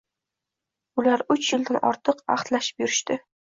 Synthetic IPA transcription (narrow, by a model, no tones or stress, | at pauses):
ʊlaɾʊt͡ʃjɪlˠd̪anʔɒ̰ɾt̪ʰɨqɑ̰χt̪laʃɪ̥pjʊɾɪʃt̪ɪ